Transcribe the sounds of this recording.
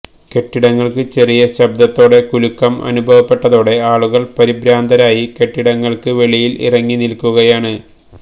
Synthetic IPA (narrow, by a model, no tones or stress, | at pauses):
ke̞ʈːiɽɐŋːɐɭkɨt͡ɕe̞rijɐɕɐb̚d̪ɐt̪ːo̞ːɽe̞kulukːɐmɐ̰nubʱɐʋɐpːe̞ʈːɐðo̞ːɽe̞aːɭuɣɐɭpɐɾibɾaːnd̪ʱɐɾaːjike̞ʈːiɽɐŋːɐɭkɨʋe̞ɭijilḭrɐŋːinilkːuɣɐjaːɳɨ